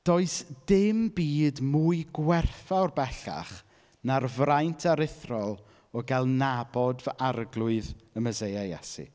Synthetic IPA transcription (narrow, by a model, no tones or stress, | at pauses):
d̥ɔɨsd̥ɪmbiːdmuɨɡwɛrθaɔrbɛɬa̰χ | narvrajntʰaɾɪθrɔlˠ | ɔɡɛlˠnabɔdvəʔarɡlˠʊɨðəməzejajɛsḭ